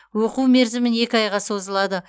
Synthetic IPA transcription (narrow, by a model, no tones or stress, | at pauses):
wo̞quwme̞ɾzɪmɪne̞kʲɪɑjʁɑso̞zəlˠɑd̪ə